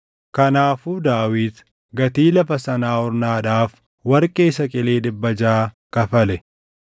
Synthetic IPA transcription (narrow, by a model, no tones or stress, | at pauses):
kɐnaːfuːd̪aːwiːd̪ | ɡɐt̪iːlɐfɐsɐnaːhɔɾnaːᶑaːf | wɐɾkʼe̞ːsɐkʼɪleːᶑɪbːɐd͡ʒaːkɐfɐlɛ